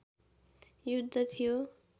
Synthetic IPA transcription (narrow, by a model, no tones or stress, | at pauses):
jud̪ʱːʌt̪ʰijo